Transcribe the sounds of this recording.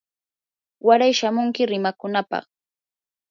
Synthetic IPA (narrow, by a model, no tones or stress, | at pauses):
waɾajʃamʊŋkɪɾɪmakʊnapɑ̰χ